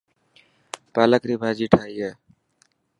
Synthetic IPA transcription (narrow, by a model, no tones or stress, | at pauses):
paːləkɾiːbʱaːd͡ʒiːʈʰaːijeː